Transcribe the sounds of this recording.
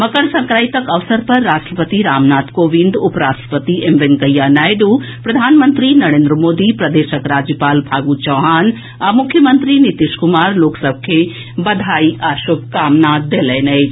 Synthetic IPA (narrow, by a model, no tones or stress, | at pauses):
mɐkəɳsɐ̃ŋkɾaːit̪ɐkɐʋsəɾpɐɾːaːsʈɾəpət̪iɾaːmnaːt̪koːʋĩnd̪ʊpɾaːsʈ̪ɾə̥pət̪iʔemʋeŋkəjːaːnaːjɖu | pɾɐd̪ʱaːnmənt̪ɾinɐɾẽːnd̪ɾəmoːd̪ipɾɐd̪eːʃəkɾaːd͡ʒjəpaːlbʱaːɡuːt͡ʃɐːɦaːn | aːmʊkʰjəmənt̪ɾinit̪iʃkʊmaːɾloːksɐb̚kʰe | bɐd̪ʱaːiʔaːʃob̚kaːmnaːd̪eːleːnɐi